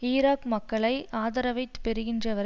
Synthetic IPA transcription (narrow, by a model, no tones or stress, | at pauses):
iːɾaːkmɐkːɐɭɐɪaːðɐɾɐʋɐɪt̪ːɯ̥pɛɾɯɣɪndrɐʋɐɾ